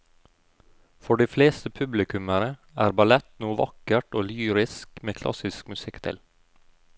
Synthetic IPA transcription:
fɔɖiːfleːst̪əpʰʉblɪkʉməɾəæːɾbɑlɛt̪nuːʋɑ̰kəʈoːlyːɾɪskmeːkʰlʔɑ̰sɪskmʉsɪkt̪ʰɪ̰l

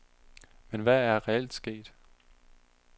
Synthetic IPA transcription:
menʋææɐʁɛel̰d̥sɡ̥e̝̰ːd̥

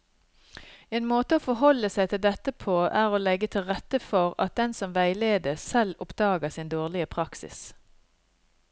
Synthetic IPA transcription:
eːnmoːt̪əoːfɔɦɔlːəsæɪt̪ʰɪld̪ɛt̪əpʰoːʔæːʁoːlɛɡːət̪ʰɪlʁɛt̪ːəfɔʁɑ̰t̪̚d̪ɛnsɔmʋæɪleːd̪əsɛlʊpd̪̥ɑːɡəsɪnd̪oːʁlɪəpʰʁɑksɪ̰s

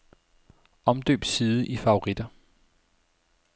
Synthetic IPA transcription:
ɒ̽md̥ø̰ːb̥siːðˠəʔifɑ̈o̝ʁid̥ɐ

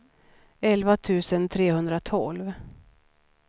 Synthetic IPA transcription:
ɛlvat̪ʰʉ̟ːsənt̪ʰɾeːhɵnd̪ɾat̪ʰɔlv

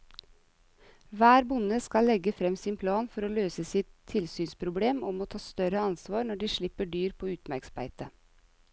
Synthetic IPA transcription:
ʋæːɾbʊnəskɑlɛɡəfɾɛmsiːnpʰlɑːnfɔɾoːløːsəsɪt̪ʰːɪlsyːnspʰɾʊbleːmɔmoːt̪ʰɑːst̪œɾəɑnsʋɑːɾnɔɖiːʃɭɪpəɖyːɾpʰoːʉːt̪mæɾksm̩æ̰ɪt̪ə

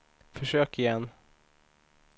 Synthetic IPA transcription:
fœʂøːkɪjɛnː

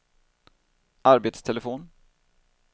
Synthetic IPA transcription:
ʔaɾbeːt̪st̪ʰɛləfoːn

